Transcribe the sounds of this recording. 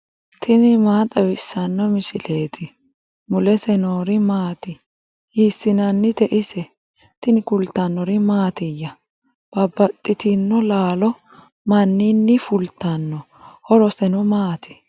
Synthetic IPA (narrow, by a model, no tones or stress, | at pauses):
t̪ʰɪnɪmaːt̪ʼɐbɪsːɐnːɔmɪʃɪleːt̪ʰɪ | mʊlɛsɛnoːɾɪmaːt̪ɪ | hiːsːɪnɐnːɪt̪ɛʔɪsɛ | t̪ɪnɪkʊlt̪ːɐnːɔɾɪmaːt̪ɪjːɐ | b̥ɐbːɐt̪ʼːɪt̪ɪnːɔlaːlɔ | mɐnːɪnːɪfʊlt̪ːɐnːɔ | hɔɾɔsɛnɔmaːt̪ʰɪ̥